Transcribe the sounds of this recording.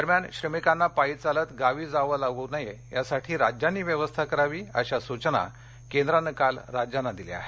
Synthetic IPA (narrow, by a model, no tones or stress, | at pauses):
əɾmjanɕɾəmikanːapait͡salət̪ɡaʋiːd͡zaʋəlaɡənaje | jasaʈʰiːɾad͡ʑjanːiːʋjəʋəst̪ʰakəɾaʋiːəɕasut͡ɕəna̰ | kend̪ɾanəkalɾad͡ʑjanːad̪ilḛa̰ɦe